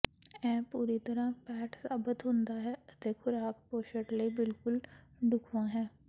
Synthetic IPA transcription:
ɛ̃ːpuːɾiːt̪əɾãːpʰɛːʈsaːbɪt̪ɦʊ̃nd̪aːɦɛːət̪eːkʰʊɾaːkpoːʃəʈləiːbɪlkʊlɖʊkʰʋãːɦɛː

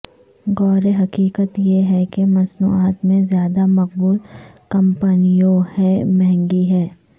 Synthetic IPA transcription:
ɡɔːɾeɦɐkiːkət̪jeɦɛkemɐsnṵːaːt̪mẽzjaːd̪amɐqbuːlkɐ̃mpənijõhɛmɛɦɛ̃ŋɡiɦɛː

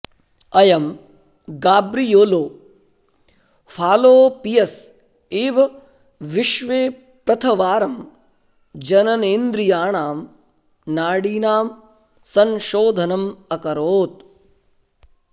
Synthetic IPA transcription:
ɐjɐm | ɡaːbɾijoːloː | fʰaːloːpijɐs | eːʋɐ | ʋiʃʋeː | pɾɐt̪ʰɐʋaːɾɐm | d͡ʒɐnɐneːnd̪ɾijaːɳaːm | naːɽiːnaːm | sɐnʃoːd̪ʱɐnɐmɐkɐɾoːt̪̚

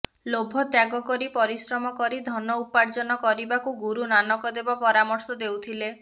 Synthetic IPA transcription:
lobʱɔt̪jaɡɔkɔɾipɔɾisɾɔmɔkɔɾid̪ʱɔnɔupaɾd͡ʒɔnɔkɔɾibakuɡuɾunanɔkɔd̪ebɔpɔɾamɔɾsɔd̪ewt̪ʰile

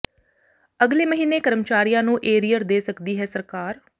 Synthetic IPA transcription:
əɡleːməɦiːneːkəɾəmt͡ʃaːɾijãːnũːʔeːɾiːjəɾd̪eːsəkd̪iːɦɛːsəɾkaːɾ

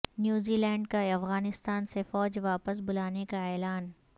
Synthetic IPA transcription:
njuːziːlɛ̃ːɳɖkaɐfɣaːnɪst̪aːnsefɔːd͡ʒʋaːpəsbʊlaːnekaɛːlaːn

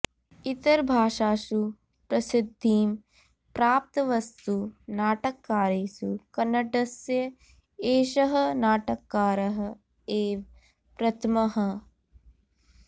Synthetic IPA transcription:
it̪ɐɾbʱaːʃaːʃu | pɾɐsɪd̪ʱːiːm | pɾaːp̚t̪ɐʋɐst̪unaːʈɐkːaːɾeːsukɐnːɐʈɐsjɐ | eːʃɐɦɐnaːʈɐkːaːɾɐɦɐ | eːʋ | pɾɐt̪ʰɐmɐɦɐ

